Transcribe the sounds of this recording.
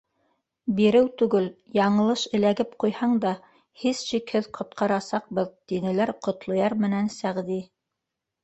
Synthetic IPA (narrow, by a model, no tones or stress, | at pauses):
biɾɘwt̪ʉɡɘljɑɴɤ̆lˠɤʃɘ̆læɡɘpqujhɑɴd̪ɑ | hizʃikhɘðqʰŏt̪qɑɾɑsɑq̚bɤðt̪inɘ̆læɾqŏt̪lˠŏjɑɾmɘ̆nænsæʁði